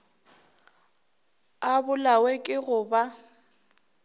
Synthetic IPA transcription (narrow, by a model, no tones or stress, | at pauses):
abʊlawɛkʼɪɣʊba